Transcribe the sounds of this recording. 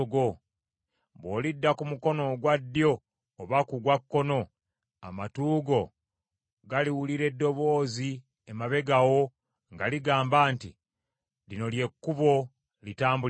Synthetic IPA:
ɡo | βwo̞ːlidːakumuko̞no̞ɡwadːjo̞ː | βakuɡwakːo̞no̞ | a̰matuːɡo̞ | ɡaliwuliɾe̞dːo̞βo̞ːzi | emaβe̞ɡawo̞ | ŋɡaliɡaːmbaːnti | lino̞lje̞kːuβo̞ | litaːmbu

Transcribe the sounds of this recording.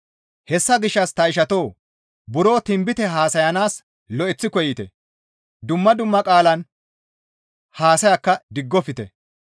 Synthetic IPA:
hɛsːɐɡɪʃːɐst̪ɐɪʃ̬ɐt̪oː | bʊɾo̞ːt̪ɪmbɪt̪ɛɦaːsɐjɐnaːs | lɔʔɛt͡sːɪkɔjɪt̪ɛ̰ | d̪ʊmːɐd̪ʊmːɐkʼaːlɐn | haːsɐjɐkːɐd̪ɪɡːɔfɪt̪ɛ̰

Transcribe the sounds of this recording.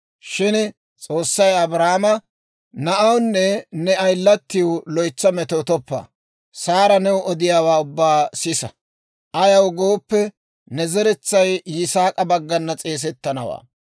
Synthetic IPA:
ʃɪn | t͡sʼo̞ːsːɐjɐbɾaːmɐ | nɐʔɐwnːɛnɛɐjlːɐt̪ːɪwlɔjt͡sːɐmɛt̪oːt̪ɔpːa̰ː | saːɾɐnɛwʊʔɔd̪ɪjaːwaːʊbːaːsɪsɐ | ʔɐjɐwɡo̞ːpːɛ | nɛzɛɾɛt͡sːɐjːɪsaːkʼɐbɐɡːɐnːɐt͡sʼe̞ːs̬ɛt̪ːɐnɐ̰wa̰ː

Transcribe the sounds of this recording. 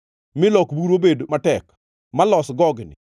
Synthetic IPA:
mɪlɔkbuɾobedmatɛk | malɔsɡɔɡnɪ̰

